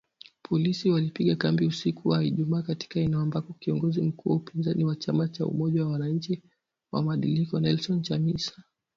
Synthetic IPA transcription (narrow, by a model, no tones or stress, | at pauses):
pʰɔlisiwalipiɠakambiusikuwaiʄumaːkati̥kaɛnɛɔmbakɔkiɔŋɡɔzim̩kuwaupinzaniwat͡ʃamat͡ʃaṵmɔʄawawanaɲ̩t͡ʃi | wa̰maɗilikɔnɛlsɔnt͡ʃamisḁ